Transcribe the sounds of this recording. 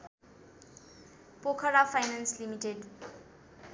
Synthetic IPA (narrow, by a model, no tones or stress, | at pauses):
pokʰʌɾapʰajnanslimiʈeɖ